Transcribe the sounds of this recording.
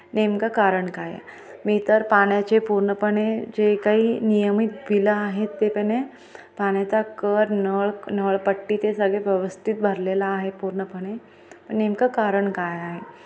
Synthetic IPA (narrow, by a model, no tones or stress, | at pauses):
nemkakaɾəɳkaj̰ | miːt̪əɾpaɽjat͡ɕepuɾɳəpəɽ̃ed͡ʑekaɦiːnijəmit̪̚bʱilaːɦet̪ːepəne | paɽ̃jat͡sakəɾnəɭnəɭpəʈːiːt̪esəɡɭeʋjəʋəst̪ʰit̪̚bʱəɾlelaːɦepuɾɳəpəɽ̃e | pəɳnemkakaɾəɳkajaɦe